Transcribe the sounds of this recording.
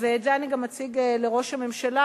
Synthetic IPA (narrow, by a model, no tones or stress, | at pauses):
vezeaniɡamːat͡siɡele̞ʁoʃhame̞mʃala